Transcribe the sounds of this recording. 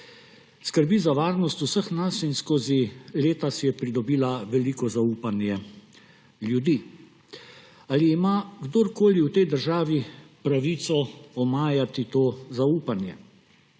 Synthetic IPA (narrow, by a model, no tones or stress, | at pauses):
skəɾbizaʋaːɾnɔst̪usəxnasinskoːzileːt̪asjɛpɾid̪ɔbiːlaʋɛliːkɔzauːpanjɛ | ljud̪i | aliːmaɡd̪oːɾkoːliwt̪ɛjd̪əɾʒaːʋipɾaʋiːt̪sɔɔmaːjat̪it̪oːzauːpanjɛ